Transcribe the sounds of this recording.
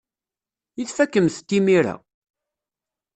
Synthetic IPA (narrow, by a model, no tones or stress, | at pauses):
iθfækːəmθt̪ːimiɾa̰